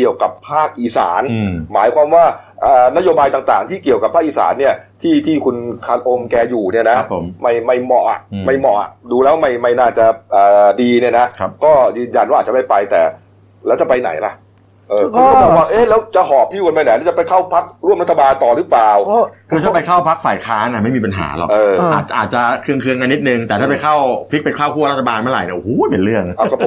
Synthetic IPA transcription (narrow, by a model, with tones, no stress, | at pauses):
ki˨˩əwka˨˩pʰːaː˥˩k̚ʔiː˨˩sa̰ː˩˦nmaː˩˦jkʰwaː˧mwaː˥˩ | ʔaː˨˩na˦˥joː˧baː˧jt̪aː˨˩ŋt̪aː˨˩ŋt̪ʰiː˥˩ki˨˩əwka˨˩pʰaː˦˥˩k̚ʔi˨˩sa̰ː˩˦nːi˥˩ɐt̪ʰiː˥˩t̪ʰiː˥˩kʰu˧nkʰa˧t̪̚ʔo˧mkɛː˧juː˨˩ni˥˩na˦pma˥˩jma˥˩jmɔ˨˩ʔa̰˨˩ʔma˥˩jmɔ˨˩ʔa̰˨˩ʔduː˧lɛː˦˥wa˥ma˥˩jma˥˩jnaː˥˩t͡ɕa˨˩ʔɤː˨˩diː˧ni˥˩na˦˥ʔʰkɔː˥˩jɯː˧nja˧nwaː˥˩aː˨˩t͡ɕa˨˩ma˥˩jpa˧jt̪ɛ̰ː˨˩ | lɛː˦˥wt͡ɕa˨˩pa˧jna̰˨˩˦jla̰˧˩ʔ | ʔɤː˧kɔː˥˩ɔ˨˩˦waː˥˧˩ʔeː˦˥lɛː˦˥wt͡ɕa˨˧˩hɔː˨˩˦p̚ʰːiː˥˩wu˧nmpa˧jna˨˦lɛ˦˥t͡ɕa˨˩pa˧jkʰa˥˩wpʰa˦˥k̚ɾu˥˩mɾa˦˥t̪ʰa˧baː˧nt̪ɔː˨˩ɾɯː˦˥plaː˨˩wkʰɯ˧t̪ʰa˥˩pa˧jkʰa˥˩wpʰa˦˥k̚faː˨˩jkʰaː˦˥nʔa˧˩ma˥˩jmiː˧pa˧nɦa̰ː˩˦lɔ̰˨˩ʔɤː˧a̰ː˨˩t̪̚ʔaː˨˩t̪̚t͡ɕa˨˩kʰɯ˧əŋkʰɯ˧əŋʔa˧nːi˦t̪̚nɯ˧ŋt̪ɛː˨˩t̪ʰaː˥˩pa˧jkʰa˥˩wpʰi˦˥k̚pe˧nkʰaː˥˩wkʰu˥˩ɾt̪ʰːa˧baː˧nma˦˥˩ɾa̰˨˩jni˧˩ʔo˧˩huː˦˩pe˨˧˦nɾɯ˥˩əŋa˨˦˩kʰa˧˩˧